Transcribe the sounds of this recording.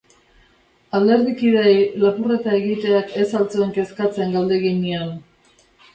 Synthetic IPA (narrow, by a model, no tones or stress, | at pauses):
ald̪e̞ɾðikiðejlapure̞t̪ae̞ɣit̪e̞ake̞salt͡soeŋke̞skat͡se̞ŋɡald̪e̞ɣiɲian